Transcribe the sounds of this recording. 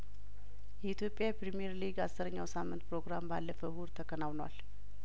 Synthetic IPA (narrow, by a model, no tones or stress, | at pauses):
jɛit̪jo̞pʼːjapɾimieɾliɡasːɨɾəɲːawsamːɨnt̪pʰɾo̞ɡɾambalːəfəhuɾt̪ʰəkʰənawnwa̰l